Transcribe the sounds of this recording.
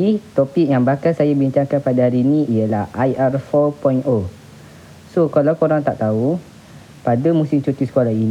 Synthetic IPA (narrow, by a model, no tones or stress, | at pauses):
it̪ɔpik̚jaŋbakansajabiɲt͡ʃaŋkanpadaɦaɾinĩijəlahajʔarfɔpɔino | sokalawkoɾaŋt̪aʔt̪au | padamũsimt͡ʃut̪isəkalain